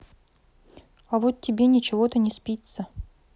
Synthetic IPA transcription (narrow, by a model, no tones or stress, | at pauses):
ɐvot̪̚tʲːɪbʲenʲɪt͡ɕɪvo̞t̪ənʲɪspʲit̪sə